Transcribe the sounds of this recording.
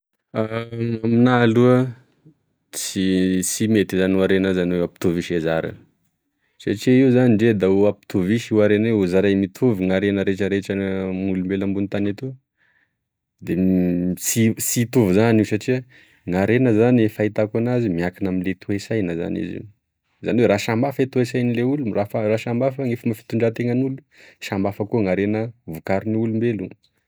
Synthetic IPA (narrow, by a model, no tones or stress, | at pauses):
aaminaluə | t͡sisimet̪izanuaɾenəzanwewapi̥t̪uviʃezaɾə̰ | saʈ͡ʂiəiuzaniɳɖ͡ʐed̪auapi̥t̪uviʃiwaɾenweuzaɾajmit̪ʰuviŋaɾenəɾeʈ͡ʂəɾeʈ͡ʂəmulumbelambunt̪anet̪u | d̪esisit̪uvizanisaʈ͡ʂia | ŋaɾenəzanifait̪akanazimiakinaminlet̪ʰuesajnaza̰nḭzḭ | zaniweɾaʃambafet̪uesajnileulurafaraʃambafaŋefəmafi̥t̪uɳɖ͡ʐat̪eŋənulu̥ | ʃambafəkuŋaɾenəvukaɾiniulumbelu